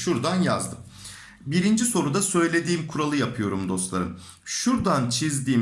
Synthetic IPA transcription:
ʃuɾd̪anjazd̪ɯm | biɾind͡ʒiso̞ɾud̪asø̞jlʲe̞d̪iːmkʰuɾalˠɯjapʰɯjo̞ɾumd̪o̞st̪lˠa̰ɾɯ̰n | ʃuɾd̪ant͡ʃʰizd̪iːm

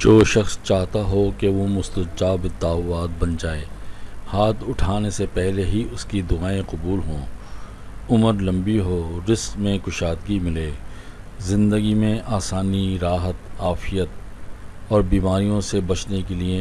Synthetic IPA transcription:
d͡ʒoːʃɐxst͡ʃaːɦt̪aɦokeʋomʊst̪ət͡ʃaːbɪt̪ːaːʋaːt̪̚bɐnd͡ʒaːeːhaːt̪ʰʊʈʰaːnesepɛɦleɦiʊskid̪ʊaːẽqʊbuːlɦõː | ʊməɾlɐ̃mbiɦoɾɪskmẽkʊʃaːt̪ɡimɪleː | zɪ̃nd̪əɡimẽʔaːsaːniɾaːɦət̪aːfijət̪̚ | ɔːɾbiːmaːɾijõsebɐt͡ʃnekelie

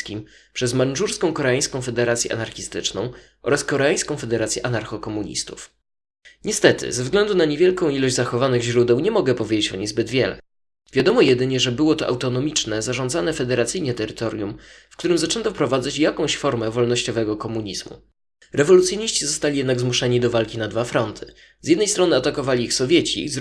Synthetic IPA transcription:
kʲim | pʂɛzmanʐuɾskɔ̃w̃kɔɾaaj̃skɔ̃w̃fɛd̪ɛɾat̪sʲjɛʔa̰naɾxʲist̪ɘt͡ʂnɔ̰̃w̃ | ʔɔ̰ɾaskɔɾaaj̃skɔ̃w̃fɛd̪ɛɾat̪sʲjɛʔanaɾxɔkɔmuɲḭst̪uf | ɲɛst̪ɛt̪ʰɘ̰zvzɡlɛnd̪unaɲevʲjɛlkɔ̃w̃ilɔʑd͡ʑʲzaxɔvanɘɣʑɾud̪ɛwɲɛmɔɡɛpɔvjed͡ʑet͡ɕɔ̰ɲejzbɘd̪vʲjɛlɛ̰ | vʲjad̪ɔmɔjɛd̪ɘɲɛʐɛbɘwɔt̪ɔʔa̰wt̪ɔnɔmʲit͡ʂnɛzaʐɔ̃nd̪zanɛfɛd̪ɛɾat̪sɘjɲɛt̪ɛɾɘt̪ɔɾʲjumfkt̪uɾɘmzat͡ʂɛnt̪ɔfpɾɔvad̪zat͡ɕjakɔ̃w̃ɕfɔɾmɛvɔlnɔɕt͡ɕɔvɛɡɔkɔmuɲizmṵ | ɾɛvɔlut̪sʲjɔɲiɕt͡ɕizɔst̪alʲijɛd̪naɡzmuʂɛɲid̪ɔvalkʲinad̪vafɾɔnt̪ʰɘ̥ | z̥ʲjɛd̪nɛjst̪ɾɔnɘat̪akɔvalʲiixsɔvʲjɛt͡ɕḭz

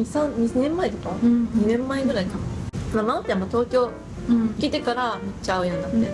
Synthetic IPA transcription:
isãnɲinẽ̞mːaet̪okaɲ̟inẽ̞mːaeɡɯ̟ɾait̪amamaot̪ːamːat̪o̞ːkʲo̞ː | kʲit̪e̞kaɾamɯt͡ɕaɯ̟joːɲid̪at̪ːe

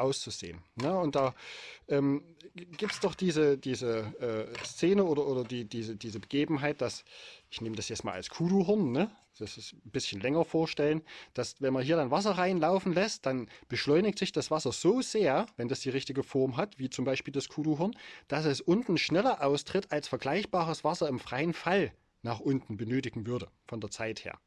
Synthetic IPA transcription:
ʔaʊst͡suzḛːənnəʊnt̚d̥aːʔɛːmɡ̥iːp̚tsd̥ɔχd̥iːzəd̥iːzəʔɛːst͡seːnəoːɾɐʔoːdɐdiːdiːzədiːzəbəɡ̥eːbm̩ɦaɪt̚d̥asʔɪçneːmədasjɛt͡stma̰ːlʔa̰lskʰuːɾuɦɪɐnːə̥ | ɛsɪsn̩bɪsçənlɛŋɐfoːɐʃtɛlənd̥asvɛnmanɦiːɐɾanvas̬ɐʁaɪnlaʊfn̩lɛst̚d̥anb̥əʃlɔʏnɪçtz̥ɪçd̥asv̥asɐz̥oːz̥eːɐvɛndasd̥iːʁɪçtɪɡəfɔɐmɦatv̥iːt͡sʊmbaɪʃpiːldaskʰuːduɦɪɐnd̥asɛsʔʊntn̩ʃnɛlɐʔaʊstʁ̥ɪtalsfɛɐɡlaɪçb̥aːʁəsv̥asɐɪmfʁ̥aɪənfal | naːχʔʊntn̩bənøːtɪɡŋ̩vʏɐdəfɔndeːɐt͡saɪthḛːɐ

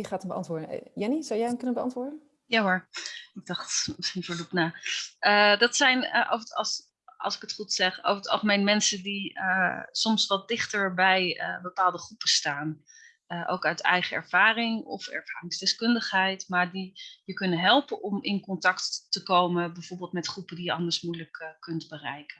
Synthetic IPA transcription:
iχaːtəmbəʔɑ̰ntʋʊːɹdən̰jɛnizawjɛjɦɛmkɵnənbəɑ̰ntʋʊːɹdə | jaːɦoɹɪɡ̚dɑχtfəɹlupnaːədɑtsɛjnʔo̰s | ɑ̰lˠsɪ̥kətχutsɛχo̰wfətɑ̰lˠχəmejnmɛnsədiəsɔmsʋɑt̚dɪχtəɹbɛjə̰bəpaːlˠdəχrupəstaːn | əʔo̰wkœɥtɛ̰jχəɛ̰ɹv̥aːrɪŋɔ̰fɛ̰ɹv̥a̰ːrɪŋsdɛskɵndəχɦɛjtmaːɹdijəkɵnəɦɛlˠpəʔɔmɪnkɔntɑktːəkowməbɛjvoɹbɪːlˠtmɛtχrupədijəɑndəɹsmujələkkɵntbərɛjkən

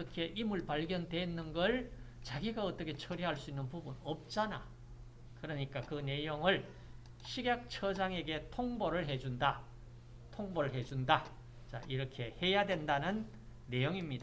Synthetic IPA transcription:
ʌkʰe̞ʔimɯɭpaɭɡjʌndwe̞nːɯnɡʌɭt͡ɕaɡiɡaʌt͈ʌkʰe̞t͡ɕʰʌɾiɦaɭs͈uinːɯnpubunʌp̚t͡ɕ͈ana̰ | kɯɾʌɲik͈akɯne̞joŋɯɭ | ɕʰiɡjak̚t͡ɕʰʌd͡ʑaŋe̞ɡe̞tʰoŋbʌɾɯɭɦe̞d͡ʑunda | tʰoŋbʌɾɯɭɦe̞d͡ʑunda | t͡ɕa̰ʔiɾʌkʰe̞he̞jadwe̞ndanɯnː | e̞joŋimɲida

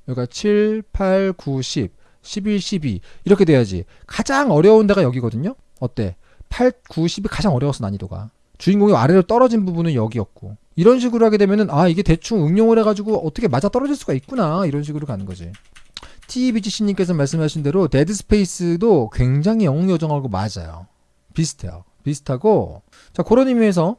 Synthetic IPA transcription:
jʌɭk͈at͡ɕʰiɭpʰaɭkuɕʰip̚ | ɕʰibiɭɕʰibḭːɾʌkʰedwe̞jad͡ʑḭkad͡ʑaŋʌɾjʌundeɣajʌɡiɡʌdɯɲo | ʌt͈e̞̰ | pʰaɭ̚kuɕʰibikad͡ʑaŋʌɾjʌwʌsʰʌna̰ɲidoɡa̰ | t͡ɕuinɡoŋea̰ɾe̞ɾɯɭt͈ʌɾʌd͡ʑinbubunɯnjʌɡiʌk̚k͈o | iɾʌnɕ̬ʰiɡɯɾuɦaɡe̞demjʌnɯnaiɡe̞te̞t͡ɕʰuŋɯŋɲoŋɯɾe̞ɡad͡ʑuɡoʔʌtʰʌkʰemad͡ʑat͈ʌɾʌd͡ʑiɭs͈uɡait̚k͈unaiɾʌnɕʰiɡɯɾoɭkanɯnɡʌd͡ʑḭ | tʰibid͡ʑiɕʰiɲimk͈e̞sʰʌmaɭs̬͈ɯmɦaɕʰinde̞ɾote̞dɯsʰɯ̥pʰe̞is͈ɯdokwe̞ŋd͡ʑaŋɦijʌŋʌŋjʌd͡ʑʌŋɦaɡoma̰d͡ʑa̰jo̰ | pisʰɯ̥tʰḛjʌ̰ | pisʰɯ̥tʰaɡo | t͡ɕakoɾʌnimies̬ʰʌ

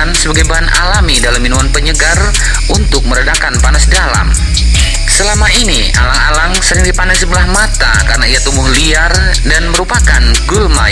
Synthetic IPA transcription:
nsəbaɡajbaɦana̰lamidalamːinumanpəɲəɡar | ʔunt̪ʊk̚məɾədakanpanasdala̰m | səlamaini | a̰laŋalaŋsəɾɪŋdipanasəbəlahmat̪a̰kaɾənaiat̪umʊhliar | danməɾupakanɡulma

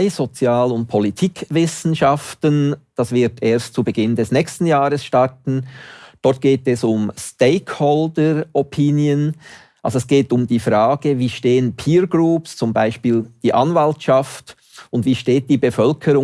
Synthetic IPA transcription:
ɪz̥ot͡sjaːlʊnt̚pʰolitʰiːkvɪsn̩ʃaftənd̥asvɪɐtʰeːɐstt͡subəɡɪndɛsnɛːçstn̩jaːʁəsʃtaʁtn̩d̥ɔt̚ɡ̥eːtɛsʊmsteɪkʰhɔldəʔɔpʰinjən | ʔalzoɛsɡ̥eːtʊmdiːfʁaːɡ̥əviːʃteːənpʰiːɾɡruːpst͡sʊmbaɪʃpiːld̥iːʔanvaltʃaft | ʊndv̥iːʃteːt̚d̥iːbəfœlkʰəɾʊ

